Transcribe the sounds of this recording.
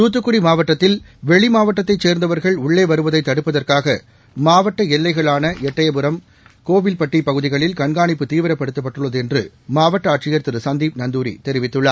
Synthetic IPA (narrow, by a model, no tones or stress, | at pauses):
t̪uːt̪ːɯkːɯɽimaːʋɐʈːɐt̪ːɪlʋɛɭimaːʋɐʈːɐt̪ːɐɪt͡ʃːeːɾnd̪ɐʋɐɾɣɐɭʊɭːeːʋɐɾɯʋɐðɐɪt̪ːɐɽɯpːɐðɐrkaːɣɐ | maːʋɐʈːɐɛlːɐɪɣɐɭaːnɐʔɛʈːɐjɐbɯɾɐm | koːʋɪlpɐʈːipɐɣɯðɪɣɐɭɪlkɐɳɡaːɳɪpːɯt̪iːʋɐɾɐpːɐɽɯt̪ːɐpːɐʈːɯɭːɐðɯɛndrɯ̰ | maːʋɐʈːɐːʈt͡ʃɪjɐɾt̪ɯɾɯsɐnd̪iːp̚nɐnd̪uːɾḭt̪ɛɾɪʋɪt̪ːɯɭːa̰ː